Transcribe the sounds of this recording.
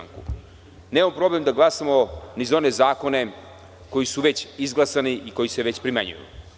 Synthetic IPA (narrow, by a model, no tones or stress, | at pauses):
ŋku | neːmampɾo̞ble̞md̪aɡlˠasamo̞nizao̞ne̞zaːko̞ne̞ | ko̞jisuʋe̞t͡ɕizɡlˠasaniʔiko̞jise̞ʋe̞t͡ɕpɾimaɲṵjṵ